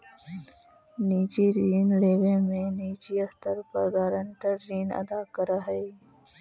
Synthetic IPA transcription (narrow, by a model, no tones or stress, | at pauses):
niːt͡ʃiɾiːnleːʋẽmẽniːt͡ʃiɐst̪əɾpɐɾɡaːɾə̃ɳʈəɾːiːnɐ̰d̪akəɾaɦɛ